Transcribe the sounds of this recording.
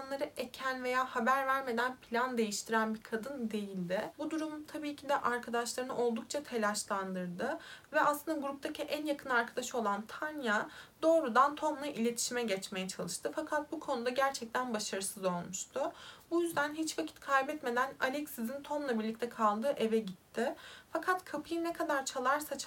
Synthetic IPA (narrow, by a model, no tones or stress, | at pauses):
anlˠaɾɯecʰænve̞jaːhabæɾvæɾme̞d̪ænpʰilʲand̪e̞jiʃt̪ʰiɾænbiɾkʰad̪ɯnd̪e̞jilʲd̪ɪbud̪uɾumt̪ʰabiːcʰid̪ɛʔaɾkʰad̪aʃlˠaɾɯnɯʔo̞lˠd̪uk̚t͡ʃʰat̪ʰe̞lʲaʃlˠand̪ɯɾd̪ɯvɛasˠɯnd̪aɡuɾup̚t̪ʰacʰiʔænjakʰɯnaɾkʰad̪aʃɯo̞lˠant̪ʰanjad̪o̞ːɾud̪ant̪ʰo̞mlˠaʔilʲe̞t̪ʰi̥ʃimɛɟɛt͡ʃme̞jɛt͡ʃʰalˠɯʃt̪ʰɯfakʰat̪̚bukʰo̞nud̪aɟæɾt͡ʃʰɛc̚t̪ʰænbaʃaɾɯsɯzo̞lˠmuʃt̪ʰʊbujyzd̪ænɦit͡ʃfakcʰi̥t̪kʰajbɛt̪me̞d̪ænalʲɛcsizint̪ʰo̞mlˠabiɾlʲic̚t̪ʰɛkʰalˠd̪ɯʔe̞vɛɟit̪ʰːɪfakʰat̪kʰapʰɯjɯnɛkʰad̪aɾt͡ʃʰalˠaɾsat͡ʃʰ